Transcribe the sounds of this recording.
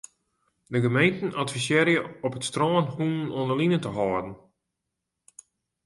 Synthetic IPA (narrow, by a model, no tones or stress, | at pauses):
dəɡəmejntn̩ʔatfisjɛɾjəɔpətstroːnhunnonəlinətəɦɔːdn̩